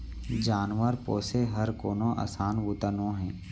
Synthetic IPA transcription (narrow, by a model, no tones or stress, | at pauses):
d͡ʒaːnʋəɾpoːseɦəɾkoːnõʔa̰ːsaːnʋʊt̪ənõɦɛ̃ː